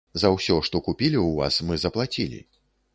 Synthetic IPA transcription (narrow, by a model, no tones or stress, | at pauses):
zɐwsʲɔʂt̪ɔkupʲilʲiwva̰smɨzɐplˠat͡sʲilʲḭ